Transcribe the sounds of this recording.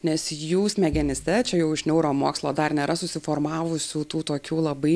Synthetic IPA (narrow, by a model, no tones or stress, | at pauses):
nʲɛsjuːsmʲɛɡʲɛnʲɪsʲt̪ʲɛt͡ʃʲɛjɛʊɪʃnʲɛʊɾoːmoːkslˠoːd̪ɐrnʲeːɾʔɐsʊsʲɪfoːrmɑːʋʊsʲuːt̪uːt̪oːkʲuːlˠɐbɐɪ